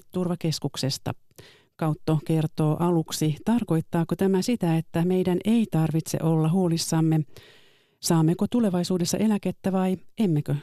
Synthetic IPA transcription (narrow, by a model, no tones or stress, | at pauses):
t̪urʋɑke̞skuksest̪ɑ̰ | kɑut̪ːoke̞rt̪o̞ːʔɑluksit̪ɑrko̞jt̪ːɑːkot̪æmæsit̪æet̪ːæme̞jdænʔe̞it̪ɑrʋit̪sḛʔolːɑɦuolisːɑmːe | sɑːmːekot̪ule̞ʋɑisuːdesːɑ̰ʔe̞læket̪ːæʋɑiemːekø